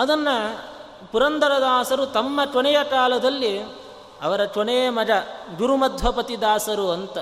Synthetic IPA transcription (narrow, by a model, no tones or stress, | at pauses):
ɐd̪ɐnːɐ | puɾɐnd̪ɐɾɐd̪aːsɐɾut̪ɐmːɐt͡ʃɔɳɛjɐʈaːlɐd̪ɐlːi | ɐʋɐɾɐt͡ʃʋɔɳɛjɐmɐd͡ʒɐɡuɾumɐd̪ʱʋɐpɐt̪id̪aːsɐɾuɐnt̪ɐ